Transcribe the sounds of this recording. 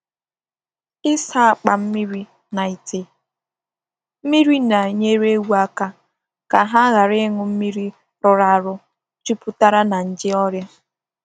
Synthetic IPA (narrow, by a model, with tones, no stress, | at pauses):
ɪ˦sa˦a˨k͡pa˨m̩˦mi˦ɾi˦ | na˨i˨te˦ | m̩˦mi˦ɾi˦na˨ɲe˦ɾe˦wu˦a˦ka˦ | ka˨ɦa˦ɣa˨ɾɪ˦ŋʊ˦m̩˦mi˦ɾi˦ | ɾʊ˨ɾa˨ɾʊ˦ | t͡ʃu˦pu˦ta˦ɾa˦na˨n̩˨d͡ʒɪ˦ɔ˦ɾja˦